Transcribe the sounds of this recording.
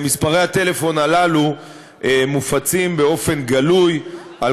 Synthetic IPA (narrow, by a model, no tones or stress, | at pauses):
mispaʁe̞jhat̪e̞le̞fo̞nalalu | ʔemufat͡simbeo̞fe̞nɡaluj | al